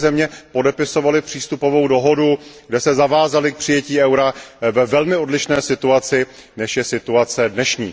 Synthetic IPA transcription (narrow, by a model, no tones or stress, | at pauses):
zɛmɲɛpo̞dɛpɪso̞valɪpr̝̥iːst̪upo̞vo̞wdo̞ɦo̞duɡdɛsɛzavaːzalɪk̚pr̥ɪjɛciːɛwɾavɛvɛlmɪo̞dlɪʃnɛːsɪt̪uat͡sɪ | nɛʃjɛsɪt̪uat͡sɛdnɛʃɲḭː